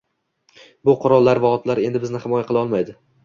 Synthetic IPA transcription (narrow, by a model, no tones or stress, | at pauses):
bʊqʰʊɾɒlˠːaɾvaɒt̪laɾe̞nd̪ɪbɪznɪhɪmɒjaqʰɨlˠaɒlˠmajd̪ɪ